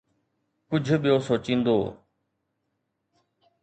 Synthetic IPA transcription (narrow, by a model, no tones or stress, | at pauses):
kʊd͡ʒʱɓijoːsoːt͡ʃĩːnd̪o̰ː